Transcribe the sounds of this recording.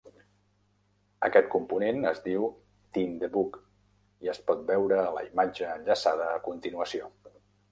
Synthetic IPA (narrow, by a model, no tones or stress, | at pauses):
ə̰kɛt̪̚kumpunenəzd̪iw | t̪imd̪əbuk | iəspɔt̪̚bɛwɾəːlə̰imad͡ʒəːnʎəsað̞əːkunt̪inuəsio